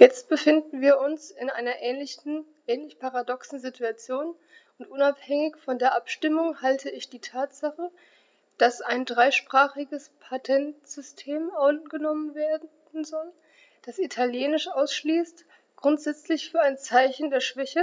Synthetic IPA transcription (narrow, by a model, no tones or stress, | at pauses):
jɛt͡st̚b̥əfɪndn̩viːɐʔʊnsɪnʔa̰ɪnɐʔɛnn̩ | ʔɛːnlɪçpʰaʁadɔksn̩zitʰuat͡sjoːn | ʊntʔʊnaphɛŋɪçfɔndeːɐʔapʃtɪmʊŋhaltʰəɪçd̥iːtʰaːtz̥aχə | d̥asaɪndʁaɪʃpʁ̥aːχɪɡəspʰatʰɛntz̥ʏstʰeːmɔɡənɔmənveːɐd | n̩zɔl | d̥asitʰaljeːnɪʃʔaʊsʃliːst | ɡ̥ʁʊntz̥ɛt͡slɪçfyːɐaɪnt͡saɪçn̩deːɐʃv̥ɛçə